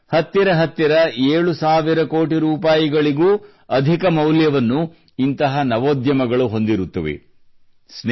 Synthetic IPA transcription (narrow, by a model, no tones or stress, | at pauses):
hɐt̪ːiɾɐɦɐt̪ːiɾɐeːɭusaːʋiɾɐkoːʈiɾuːpaːjiɡɐɭiɡuː | ɐd̪ʱikɐmɐwljɐʋɐnːu | int̪ɐɦɐnɐʋoːd̪jɐmɐɡɐɭuɦo̞nd̪iɾut̪ːɐʋḛ | sn